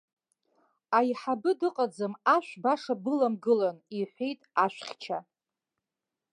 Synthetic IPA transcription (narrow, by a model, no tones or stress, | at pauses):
ajħabɨdɨqʼad͡zɨmaʃʷᶣbaʂabɨlamɡɨlaniħʷejtʼaʃᶣʷχʲt͡ʃʰa